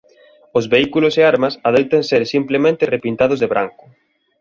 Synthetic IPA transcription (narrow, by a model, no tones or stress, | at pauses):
ʊzβeikulʊseaɾmɐsaðejt̪ɐnseɾsimplemẽnt̪ɪrepint̪að̞ʊzðeβɾaŋkʊ̥